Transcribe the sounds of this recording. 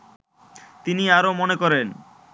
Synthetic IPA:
t̪iniaɾomonekɔɾen

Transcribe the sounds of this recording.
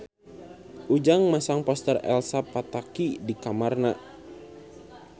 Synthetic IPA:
ʔud͡ʒaŋmasaŋpɔst̪ərɛ̰lsapat̪akidikamarna

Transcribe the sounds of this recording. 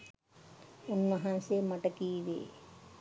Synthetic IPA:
ʊnmɐɦãseːmɐʈɐkiːʋḛː

